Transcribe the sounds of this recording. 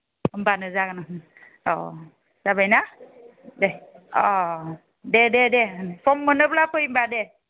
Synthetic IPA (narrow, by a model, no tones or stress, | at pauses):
mbanɯzaɡana | ɔ | z̥abajna | deɔ | dededepʰɔmːɯnɯblapʰɯjimbade